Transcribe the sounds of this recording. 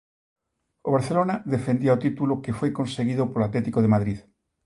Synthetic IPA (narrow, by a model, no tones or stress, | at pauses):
oβaɾθelonaðefend̪iaot̪it̪ulokefojkonseɣiðopolat̪let̪ikoðemaðɾið